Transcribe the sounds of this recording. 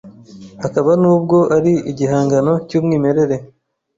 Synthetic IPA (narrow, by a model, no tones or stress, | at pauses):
hakaβanuːb̚ɡo̞ʔaɾiiɟiɦaːŋɡano̞cuːmŋiːme̞ɾe̞ɾe̞